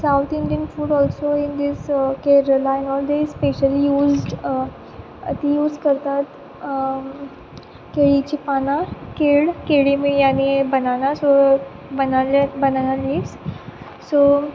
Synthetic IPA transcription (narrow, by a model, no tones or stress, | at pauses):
sawt̪ĩɳɖiənfuːɽɔlsoind̪iskeɾəlainɔld̪ezspeɕəlijuːzɖ | t̪ijuːzkəɾt̪at̪ | keɭit͡ɕipanãkeɭkeɭimijanibənanaso | bənalbənanaliʋs | so